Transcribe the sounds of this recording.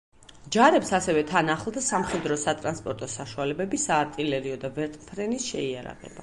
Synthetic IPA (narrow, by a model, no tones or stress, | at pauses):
d͡ʒaɾɛpsasɛvɛt̪ʰanaχlˠd̪asamχɛd̪ɾɔsat̪ʼɾanspʼɔɾt̪ʼɔsaʃualɛbɛbisaːɾt̪ʼilɛɾiɔd̪avɛɾt̪ʼpʰɾɛnisʃɛia̰ɾa̰ʁɛ̰ba